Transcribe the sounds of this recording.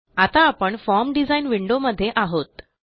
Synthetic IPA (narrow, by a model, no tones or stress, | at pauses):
at̪aːpəɳfɔɾmɖid͡zainʋiɳɖoməd̪ʱːjeʔaɦot̪